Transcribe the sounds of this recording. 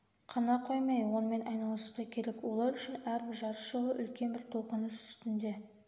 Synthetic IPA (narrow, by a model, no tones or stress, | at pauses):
qʰɑnɑqʰojmɑjwo̞nəme̞nʔɑjnɑlˠəsqɑkʲʰe̞ɾe̞kwo̞lˠɑɾʏʃɪnæɾbɪɾʒɑɾəʃolˠəʔʏlkʲe̞nbɪɾt̪ʰo̞qənəsʏst̪ɪnd̪e̞